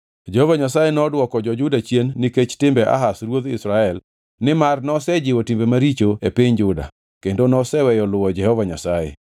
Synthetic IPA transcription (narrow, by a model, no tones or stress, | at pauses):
d͡ʒɛhɔvaɲasajenɔdwɔkɔd͡ʒɔd͡ʒʊdat͡ʃjenːiket͡ʃtɪmbɛʔa̰ɦasrwod̪ɪsɾaɛl | nɪmarnɔsɛd͡ʒɪwotimbemaɾit͡ʃoepɪɲd͡ʒʊda̰ | kendonɔsɛwɛjɔlʊwɔd͡ʒɛhɔvaɲa̰sajḛ